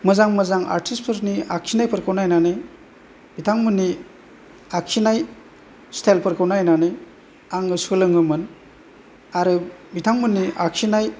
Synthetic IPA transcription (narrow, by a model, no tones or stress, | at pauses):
mɯzaŋmɯzaŋa̰ɾtʰispʰɯɾniaksʰinajpʰəɾkʰɯwnajnanɯj | bitʰaŋmɯni | aksinaj | stʰajlpʰɯɾkʰɯwnajnanɯj | aŋɯsɯlɯŋɯmɯn | aɾɯbitʰaŋmɯnːiʔaksinaj